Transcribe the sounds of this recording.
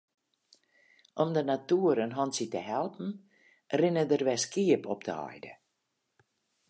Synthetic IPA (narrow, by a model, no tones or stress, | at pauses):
ʔɔmdənatuəɾənɦɔnsitəɦɛlˠpn̩ | rɪnədərʋɛskiəpɔp̚tʰəɔ̰jdə